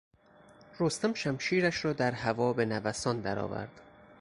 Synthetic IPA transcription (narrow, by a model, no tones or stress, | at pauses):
ɾost̪æmʃæmʃiːɾæʃɾɒːd̪æɾɦævɒːbe̞nævæsɒːnd̪æɾɒ̰ːvæ̰ɾd̪̥